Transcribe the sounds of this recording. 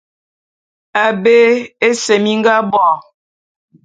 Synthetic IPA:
a˨be˦e˦se˨mi˦ŋ˦ɡa˦bɔ˦˨

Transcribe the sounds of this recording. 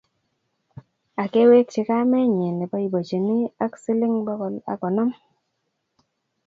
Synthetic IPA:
a˨ke˦we˦k̚t͡ʃɪ˨ka˦mɛ˦ɲɛ˨nɛ˨bɔ˦i˨bo˨t͡ʃi˨ni˦a˦ksi˦lɪ˦ŋbɔ˦kɔ˨la̰˨kɔ˨nɔ˦m

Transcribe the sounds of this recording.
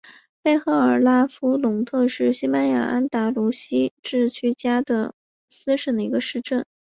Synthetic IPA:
pe˥˩ɪxɤ˧˥ə˞˨˩la˥fu˥lʊ˧˥ŋt̪ʰɤ˥˧ʂɻ̩˥˩ɕi˥pa˥nja̰˨˩ʔa˥nt̪a˧˥lu˧˥ɕi˥ʈ͡ʂɻ̩˥˧t͡ɕʰy˥˩t͡ɕja˥d̪ə˨ | sɹ̩˥ʂə˨˩nd̪ə˧i˧˥ɡə˧ʂɻ̩˥˧ʈ͡ʂə˥˩n

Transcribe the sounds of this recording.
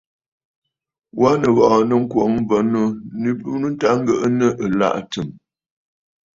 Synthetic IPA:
wa˦nə˨βɔ˨ʔnə˨ŋ̩˦kwo˨˦ŋm˦və˨˦nu˦nə˦bu˦nu˦n̩˦ta˦ŋ˦ɡə˦ʔnə˦ʔə˨la̰˦ʔtə˨m

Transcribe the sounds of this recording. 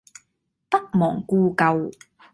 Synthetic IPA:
t̪ɐ˥k̚mɔ̰ː˨˩ŋkuː˧kɐ˧w

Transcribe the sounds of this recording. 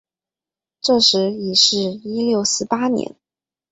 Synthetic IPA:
ʈ͡ʂɤ˥˩ʂɻ̩˧˥i˨˩ʂɻ̩˥˧i˥ljo˥˩ʊsɹ̩˥˩pa˥njɛ̰˧˥n

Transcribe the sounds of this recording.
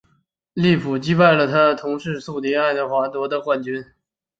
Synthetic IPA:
li˥˩pʰu˨˩t͡ɕi˥pa˥˩ɪlə˩t̪ʰa˥t̪ʰʊ˧˥ŋʂɻ̩˥˧su˥˩ʊt̪i˧˥a˥˩ɪd̪ə˩xwa˧˥t̪wɔ˧˥d̪ə˧kwa˥˩nt͡ɕy˥n

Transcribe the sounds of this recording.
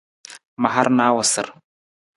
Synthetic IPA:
ma˨ɦa˦ɾna˦wa˨sə̰˨ɾ

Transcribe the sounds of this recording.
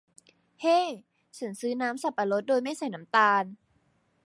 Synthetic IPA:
heː˥˩˨ | t͡ɕʰa˨˩˦nsɯː˦˥naː˦˥msa˨˧˩pːa˧lo˧˦˥t̪̚doː˧jma˥˩jsa˨˩jna˦˥mt̪aː˧n

